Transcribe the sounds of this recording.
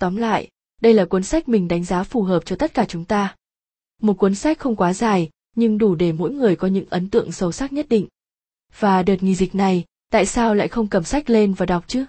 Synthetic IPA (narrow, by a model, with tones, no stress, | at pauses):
t̪ɔ˨˦mla̰ː˧˨j | ɗə˧jlaː˨˩kwə˨˦nsa˦˥k̟̚mï˨˩ŋ̟ɗa˨˦jŋ̟zaː˨˦fu˨˩ɦəː˨˩p̚t͡ɕɔ˧t̪ə˦˥t̚kaː˧˩t͡ɕʊ˨˦ŋ͡mt̪aː˧ | mo˨˩t̚kwə˨˦nsa˦˥k̚xə˧wŋ͡mkwaː˨˦zaː˨˩j | ɲɨ˧ŋɗu˧˩ɗe˧˩mo̰˧˥jŋɨ˨˩əjkɔ˨˦ɲɨ̰˧˥ŋʔə˨˦nt̪ɨ̰˧˨əŋsə˧˩wsaː˦˥k̚ɲə˦˥t̚ɗḭ˧˨ŋ̟ | v̥aː˨˩ɗə˨˩t̚ŋḭ˧˨zï˨˩k̟̚na˨˩j | t̪a̰ː˧˨jsaː˧wla̰ː˧˨jxə˧wŋ͡mkə˧˩msa˦˥jk̟̚le˧nvaː˨˩ɗa˨˩wk͡p̚t͡ɕɨ˨˦